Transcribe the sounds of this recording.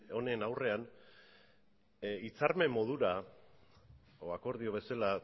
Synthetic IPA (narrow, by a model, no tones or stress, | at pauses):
o̞ne̞nawre̞an | it͡sarme̞mo̞ð̞uɾa | oako̞ɾðio̞βe̞sala